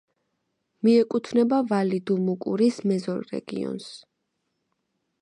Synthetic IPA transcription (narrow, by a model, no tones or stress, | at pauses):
miɛkʼut̪ʰvnɛbavalid̪umukʼṵɾismɛzɔɾɾɛ̰ɡ̥ḭɔ̰ns